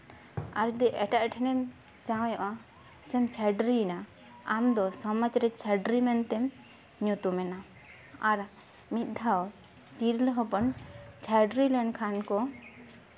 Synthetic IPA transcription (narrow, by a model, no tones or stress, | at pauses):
a̰ɾd̪ɛʔɛʈaʔʈʰɛnɛm | t͡ʃawjɔʔa | sɛmt͡ʃʰaɖɾina | amd̪ɔsɔmad͡ʒɾɛt͡ʃʰaɖɾimɛnt̪ɛm | ɲut̪umɛna | aɾ | mit̪̚ˀd̪ʱaw | t̪iɾləɦɔpɔnt͡ʃʰaɖɾilənkʰankɔ